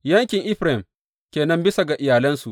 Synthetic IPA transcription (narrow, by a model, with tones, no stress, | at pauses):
jɐ˦ŋkʲɪ˨ŋʔɪ˦ɸɾɛ˨m | kʲeː˨nɐ˦mbɪ˦sa˨ɡa˨ʔɪ˨jaː˨lɐ˦nsu˨ʔ